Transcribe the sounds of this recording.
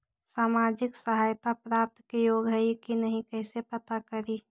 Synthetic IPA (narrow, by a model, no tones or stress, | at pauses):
saːmaːd͡ʒɪksəɦaːjt̪apɾaːp̚t̪kejoːɡɦəjkinəɦĩkɛɦsepɐt̪akəɾi